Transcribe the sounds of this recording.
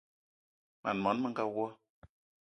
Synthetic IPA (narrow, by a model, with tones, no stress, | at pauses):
ma̰˨n˨mɔ˨˦nmə˦ŋ̩˦ɡa˦wwɔ˦